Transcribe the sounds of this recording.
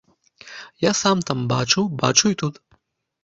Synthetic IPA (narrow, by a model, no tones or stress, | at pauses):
jasamt̪amba̰t͡ʂuwba̰t͡ʂujt̪ut̪